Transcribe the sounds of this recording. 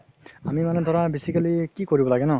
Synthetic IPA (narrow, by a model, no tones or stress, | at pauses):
amimanɛt̪ɔɾabesikalikikɔɹibɔlaɡenɔ